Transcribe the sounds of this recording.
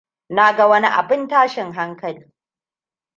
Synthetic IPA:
na˦ɡa˨wɐ˦ni˦ʔa̰˨bɪ˦ntaː˦ʃɪ˨ŋɦa˦ŋkɐ˨liː˦

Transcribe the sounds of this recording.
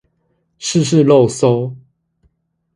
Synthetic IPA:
ʂɻ̩˥˨ʂ̬ɻ̩˥˨lo˥˨ʊso˦ʊ

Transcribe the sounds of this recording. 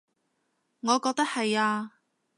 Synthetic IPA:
ŋɔː˨˧kɔː˧k̚t̪ɐ˥k̚hɐ˨jaː˧

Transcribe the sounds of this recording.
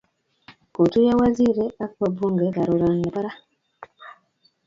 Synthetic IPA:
ko˨tu˦ja˦wa˦zi˦˨ɾe˦a˦kpa˨bu˦ŋɡe˨˦la˨ɾo˨ɾa˨n˨pa˦ɾa˦

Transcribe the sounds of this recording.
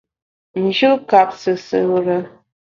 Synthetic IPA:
n̩˨d͡ʒu˦ka˨p̚sɨ˨sɨ˨ɾə˨˦

